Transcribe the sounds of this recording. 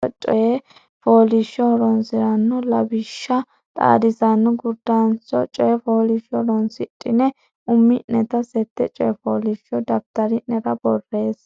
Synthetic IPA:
ɔt͡ʃʼɔjɛ | foːlɪʃɔɾɔnsɪɾɐnːɔlɐbɪʃːɐ | t̪ʼa̰ːd̪ɪsɐnːɔɡʊd̪ːɐnsɔt͡ʃʼɔjɛfoːlɪʃɔɾɔnsɪtʼːɪnɛ | ʊmːɪnɛt̪ɐsɛt̪ːɛt͡ʃʼɔjɛfoːlɪʃɔd̪ɐft̪ɐɾɪnɛɾɐbɔrːe̞ːs

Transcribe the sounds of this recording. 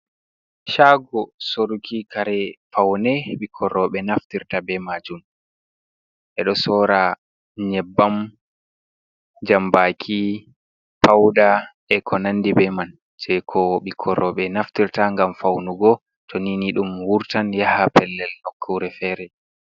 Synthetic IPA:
ʃaɡɔsoɾukʰikaɾɛfawnɛɓikʰɔɾɔɓɛnaftiɾtabɛmad͡ʒun | ʔɛɗɔsɔːɾa | ɲɛbːam | d͡ʒambakʰi | pawɗa | ɛkʰɔnandibɛman | d͡ʒɛkʰɔɓikʰɔɾɔɓɛnaftiɾtaŋɡamfawnuɡɔ | tʰɔniniɗumwuɾtanjahapɛlːɛlhɔkʰːuwɾɛfɛɾɛ

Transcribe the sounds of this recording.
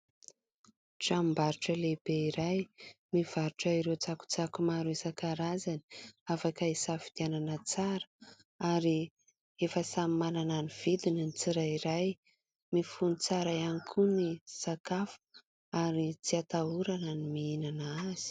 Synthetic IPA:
ʈ͡ʂambaɾuʈ͡ʂəlebeiɾajmiv̥aɾuʈ͡ʂəiɾet͡saku̥t͡sakumaɾuesakaɾazani̥afakaisafid̪̥iananət͡saɾə̥ | aɾi | efəsamimanananiv̥id̪ininit͡siɾaiɾaj | mifunit͡saɾaanikʰunisakafu̥ | aɾit͡siat̪auɾananimiinanaaz̥i̥

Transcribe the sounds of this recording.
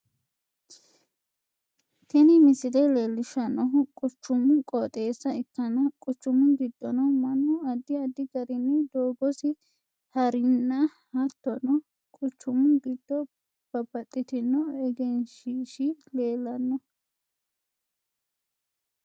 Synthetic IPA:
t̪ɛnɪmɪsɪd̪ɛleːlːɪʃɐnːɔkʼʊt͡ʃːʊmʊkʼɔt̪ʼe̞ːsːɐɪkːɐnɐkʼʊt͡ʃːʊmʊnɡɪd̪ːɔnɔmɐnːʊɐd̪ːɪɐd̪ːɪɡɐɾɪnːɪd̪oːɡɔsɪ | hɐɾɪnːɐ | hɐt̪ːɔnɔ | kʼʊt͡ʃːʊmʊɡɪd̪̥ːɔ | b̥ɐbɐt̪ʼːɪt̪ɪnːɔɛɡɛnʃiːʃɪleːlːɐnːɔ

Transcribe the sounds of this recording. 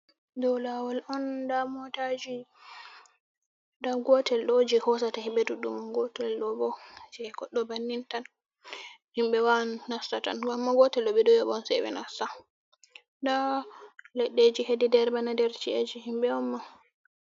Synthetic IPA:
dɔwlawalʔɔndamɔtad͡ʒi | daɡɔtɛlɗod͡ʒihɔsatahimbɛduɗumɡɔtɛlɗɔbɔd͡ʒɛɡɔɗːɔbanːintan | himbɛwanːasata̰nɡamːaɡɔtɛlɗɔbɛdɔjɔbɔnsɛwɛ̰nasta | da | lɛɗːed͡ʒihedidɛɾbanadɛɾt͡ʃiad͡ʒihimɓɛɔmːa

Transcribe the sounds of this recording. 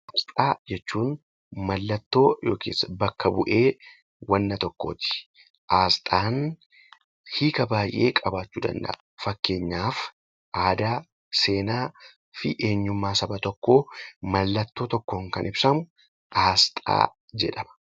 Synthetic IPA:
ʔast̪ʼaːd͡ʒɛt͡ʃːuːn | mɐlːɐt̪ːo̞ːjo̞̰ːkʰḛːsɐbɐkːɐbʊʔe̞ː | wɐnːɐt̪ɔkːoːt̪ɪ̥ | ʔaːst̪ʼaːn | hiːkɐbaːjʔe̞̰ːkʼɐbaːt͡ʃːuːd̪ɐ̰nd̪ɐ̰ʔɐfɐkːe̞ːɲːaːf | ʔaːd̪aː | se̞ːnaː | fɪʔeːɲːʊmːaːsɐbɐt̪ɔkːo̞ːmɐlːɐt̪ːo̞ːt̪ɔkːoːŋkɐ̰nʔɪbsɐmʊ | ʔaːst̪ʼa̰ː | d͡ʒɛᶑɐmɐ̥

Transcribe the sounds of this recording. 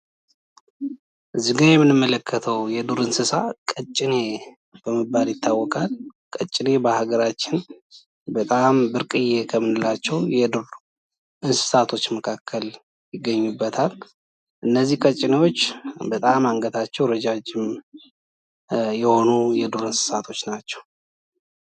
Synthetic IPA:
ʔzɨɡajɛmːɨnːɨmːələkʰːət̪ʰəwjɛd̪uɾɨnsɨsakʼət͡ʃʼːɪne̞ | b̥əmɨbːaljɪt̪ʰːawːɔkʼalkʼət͡ʃʼːɪne̞bəhaɡəɾat͡ʃːɪn | bət̪ʼambɨɾkʼɨjːekʰəmɨnɨlat͡ʃːɛwjɛd̪uɾ | ʔɨnsɨ̥sat̪ʰo̞t͡ʃːməkʰakʰːəl | jɪɡːəɲːubːət̪ʰal | ʔɨnːəzːihkʼət͡ʃʼːɪnewo̞t͡ʃːbət̪ʼamaŋɡət̪ʰat͡ʃːɛwɾəd͡ʒad͡ʒɪm | jɛho̞nujɛd̪uɾɨnsɨ̥sat̪ʰo̞t͡ʃːnat͡ʃːɛ̥w

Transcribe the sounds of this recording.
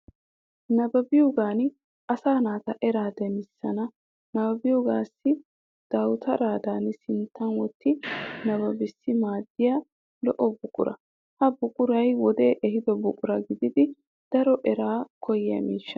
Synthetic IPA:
nɐbɐbɪjoɡaːn | ʔɐsaːnaːt̪ɐʔɛɾaːd̪ɛmɪsːɐnɐ | nɐbɐbɪjoɡaːsːɪ | d̪̥ɐwt̪ʰɐɾaːd̪aːnsɪnt̪ːɐnwɔt̪ːɪnɐbɐbɪsːɪmaːd̪ːɪja | lɔʔɔbʊkʼʊɾɐ̰ | hɐbʊkʼʊɾɐjwɔd̪eːʔɛɦɪd̪ɔbʊkʼʊɾɐɡɪd̪ɪd̪ɪ | d̪̥ɐɾɔʔɛɾaːkʰɔjɪjɐ̰mḭːʃːɐ̥

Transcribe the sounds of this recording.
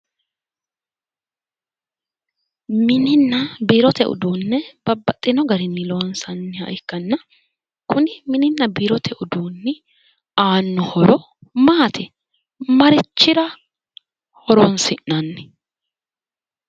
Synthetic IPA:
mɪnɪnːɐbiːɾɔt̪ɛʔʊ̰d̪uːnːɛb̥ɐbːɐt̪ʼːɪnɔɡɐɾɪnːɪlɔwɐnsɐnːɪɐ̰jɪkːɐnːɐ | kʊnɪmɪnɪnːɐbiːɾɔt̪ʰɛʔʊd̪uːnːɪ | aːnːʊhɔɾɔ | maːt̪ʰɪ | mɐɾɪt͡ʃːɪɾɐ | hɔɾɔnsɪʔnɐnːɪ̥

